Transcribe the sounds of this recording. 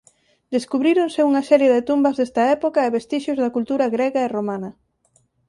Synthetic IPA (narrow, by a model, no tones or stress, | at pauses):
d̪eskuβɾiɾonsɪuŋɐsɛɾjeðɪt̪umbɐzðest̪ɐɛpokɐɪβest̪iʃozðɐkult̪uɾɐɣɾɛɣɐeromanɐ